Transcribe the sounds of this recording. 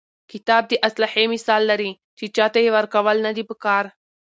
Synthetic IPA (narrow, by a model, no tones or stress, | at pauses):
kit̪aːb̚d̪iʔɐslɐħemisaːlːɐɾi | t͡ʃit͡ʃat̪eiʋɐɾkɐʋalnɐd̪ibəkaːɾ